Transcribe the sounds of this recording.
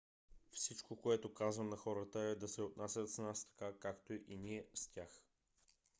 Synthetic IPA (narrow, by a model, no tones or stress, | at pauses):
fsit͡ʃkokoɛt̪okazvəmnɐxɔɾət̪əɛd̪ɐsɛot̪̚nasʲət̪snast̪ɐ̥kakakt̪oʔiniɛstʲax